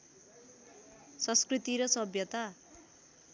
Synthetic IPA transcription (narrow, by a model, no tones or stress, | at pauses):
sʌnskrit̪iɾʌsʌbjʌt̪a